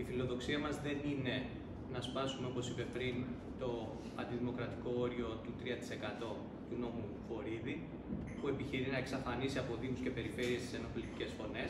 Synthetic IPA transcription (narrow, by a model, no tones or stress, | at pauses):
ifilo̞ðo̞ksiɐmɐzðe̞nine̞ | nɐspɐsumeo̞po̞sipe̞pɾin | t̪o̞ | ɐnd̪iðimo̞kɾɐt̪i̥ko̞o̞ɾio̞t̪ut̪ɾiɐt̪i̥se̞kɐt̪o̞ | t̪uno̞mufo̞ɾiði | pue̞piçiɾinɐe̞ksɐfɐnisiɐpo̞ðimusce̞pe̞ɾife̞ɾiest̪i̥se̞no̞plit̪i̥ce̞sfo̞ne̞s